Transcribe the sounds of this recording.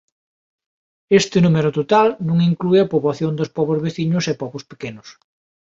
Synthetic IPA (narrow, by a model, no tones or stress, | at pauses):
est̪ɪnumeɾʊt̪ot̪alnũŋiŋklueɐpoβwaθjond̪ospɔβozβeθiɲʊsepɔβospe̥kenʊs